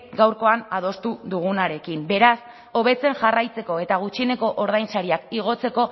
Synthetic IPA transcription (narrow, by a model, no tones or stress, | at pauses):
ɡawɾko̞anað̞o̞st̪uðuɣ̞unaɾe̞kimbe̞ɾas | o̞βe̞t͡se̞nʝarajt͡se̞ko̞e̞t̪aɣ̞ut͡ʃine̞ko̞ʔoɾð̞ajnsaɾiakiɣ̞o̞t͡se̞ko̞